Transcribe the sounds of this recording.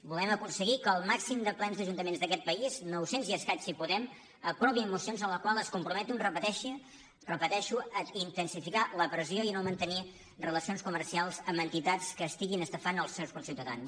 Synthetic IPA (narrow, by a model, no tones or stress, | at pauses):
bulɛməkunsəɣikəːlˠmaksimd̪əplɛnzðəʒunt̪əmenzd̪əkɛt̪̚pəiznɔwsenziəskasipuðɛm | əpɾɔβimusionzənləkwalˠəskumpɾumɛt̪unrəpət̪ɛʃi | rəpət̪ɛʃuəint̪ənsifikaləpɾəzioinomənt̪əni | rələsionskumərsialˠzəmənt̪it̪at͡skəːst̪iɣinəst̪əfanəlˠsɛwskunsiwt̪əða̰ns